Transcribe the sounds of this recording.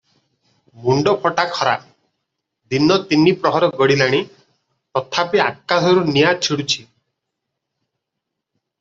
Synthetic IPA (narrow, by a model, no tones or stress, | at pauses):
muɳɖɔpʰɔʈakʰɔɾa̰ | d̪inɔt̪inipɾɔɦɔɾɔɡɔɽilaɽ̃i | t̪ɔt̪ʰapiakːasɔɾunijat͡ʃʰiɽut͡ʃʰi